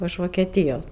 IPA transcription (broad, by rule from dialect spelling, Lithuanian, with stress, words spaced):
ɪʃ ʋoːkʲɛˈtʲiːjoːs